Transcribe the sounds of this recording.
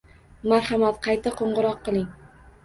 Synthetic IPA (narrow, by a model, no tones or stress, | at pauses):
maɾhɑmat̪qʰɑjt̪ʰaqʰoɴʁʊɾɒqːɨlˠɪŋ